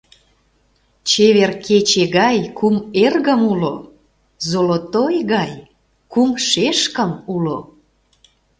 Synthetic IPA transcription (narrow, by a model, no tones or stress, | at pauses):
t͡ɕeβerkʰet͡ɕeɣɑjkumerɣəmulo | zolot̪ojɣɑj | kumʃeʃkəmulo